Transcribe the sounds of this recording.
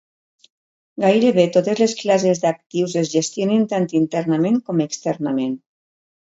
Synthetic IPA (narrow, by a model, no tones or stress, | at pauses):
ɡajɾeβet̪ot̪ezlesklazezd̪ak̚t̪iwzezʒest̪jonent̪ant̪int̪ɛɾnamẽŋkomekst̪ɛɾnamen